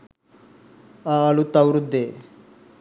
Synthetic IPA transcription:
aːlut̪ɐwɾud̪e

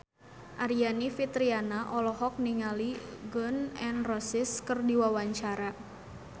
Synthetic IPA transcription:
ʔaɾianifit̪ɾianaʔɔlɔɦɔk̚niŋaliɡɔnɛnrɔsɪskərdiwawaɲt͡ʃaɾa

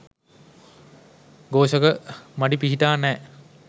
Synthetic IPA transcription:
ɡoːʃəkəmaɖipiɦiʈaːnɛː

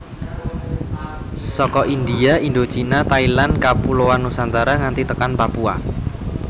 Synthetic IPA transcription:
sɔkɔʔind̪iaind̪ot͡ʃinat̪ailankapulowanusant̪aɾaŋant̪it̪əkanpapua̰

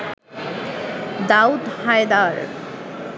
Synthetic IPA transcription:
d̪aut̪hajd̪aɹ

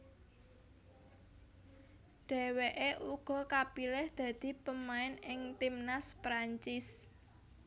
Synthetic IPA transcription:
ɖ̪̥ɛ̤weʔeʔuɡ̥ɔ̤kapilɛhd̪̥ä̤d̪̥i̤pəmaɪnɪŋt̪imnaspɾaɲt͡ʃɪs

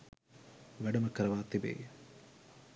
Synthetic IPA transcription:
ʋɛɖumɐkːɐɾɐʋaːt̪ːibḛː

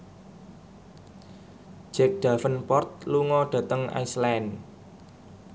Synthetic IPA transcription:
d͡ʒ̥ɛk̚ɖ̪̥a̤fənpɔrt̪̚luŋɔɖ̥ä̤t̪əŋʔa̰islan

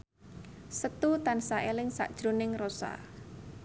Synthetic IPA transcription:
sət̪ut̪ansaʔelɪŋsa̰ʔd̥ʒ̥ɾonɪŋrosa̰

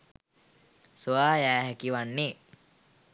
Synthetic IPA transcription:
suaːjæːɦækiʋanːe

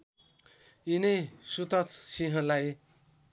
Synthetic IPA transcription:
inesut̪ʌt͡s̪siɦʌ̃laj

